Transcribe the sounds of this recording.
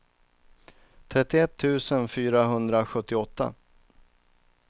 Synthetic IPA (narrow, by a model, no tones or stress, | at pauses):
t̪ʰɾɛt̪ːɪɛt̪ʰːʉ̟ːsənfyːɾaɦɵnd̪ɾaɧɵt̪ːɪɔt̪ːa̰